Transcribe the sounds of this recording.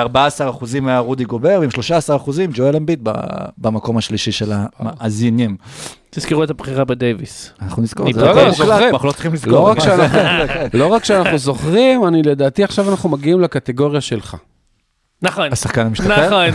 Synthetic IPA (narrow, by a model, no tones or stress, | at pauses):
aʁbaaːsaʁaχuzimːeaʁud̪iɡo̞be̞ʁveimʃlo̞ʃaːsaʁaχuzimd͡ʒoelembit̪̚ba̰bamako̞maʃliʃiʃelamaazinjem | t̪izkiʁuet̪abχiʁabed̪ejvḭsanaχnunizkoʁzeulanaχnulot͡siχimlizloʁakʃeanaχnekenlo̞ʁakʃeanaχnuzo̞χʁimaniledaːt̪iaχʃavanaχnumaɡiimlakat̪eɡo̞ʁjaʃe̞lχa̰ | naχonasaχkanamiʃtae